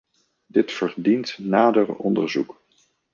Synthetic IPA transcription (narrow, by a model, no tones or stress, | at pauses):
dɪtfəɹdintnaːdərɔ̰ndə̰ɹzuk